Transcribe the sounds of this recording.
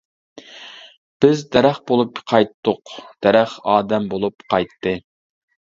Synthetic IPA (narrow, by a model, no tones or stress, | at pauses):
b̥ɪzd̪ɛɾæχbolˠupqʰɑjt̪ːʊqd̪̥ɛɾæχɑːd̪ɛmbolˠupqʰɑjt̪ʰːɨ